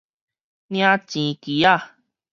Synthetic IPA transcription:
nĩ˦ã˦t͡ʃĩ˨˧ki˨˦a˦˨

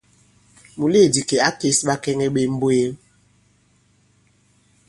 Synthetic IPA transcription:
mu˨le˦˨di˨ke˨a˦ke˦sɓa˦kɛ˦ŋɛ˦ɓe˦m̩˦bo˦je˦m

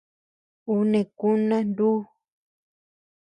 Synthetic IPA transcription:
u˦nẽ˨ku˦nã˦nd̪u˦

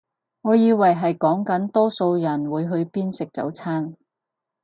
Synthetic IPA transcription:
ŋɔː˨˧jiː˧wɐ˨˩jɦɐ˨jkɔː˨˥ŋkɐ˨˥nt̪ɔː˥so˧wjɐ˨˩nwuː˨˧jɦɵ˧ɥpiː˥nsɪ˨k̚t͡sɐ̰˨˥wt͡sʰaː˥n

